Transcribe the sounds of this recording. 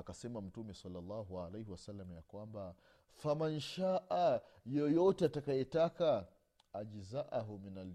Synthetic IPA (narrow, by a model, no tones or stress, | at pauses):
akasɛmam̩tumɛsalːalːɑɦualejhiwasalːamajakwamba | famanʃaʔajɔjɔtɛatakajɛtakaː | d͡ʒizaʔaɦɔminal